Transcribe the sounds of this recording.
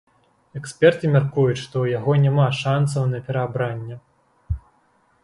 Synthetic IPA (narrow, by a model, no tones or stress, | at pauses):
ɛksʲpʲɛrt̪ɨmʲarkujut̪ʂt̪ɔwjaɣɔnʲamaʂansɐwnɐpʲɛɾɐːbɾanʲːɐ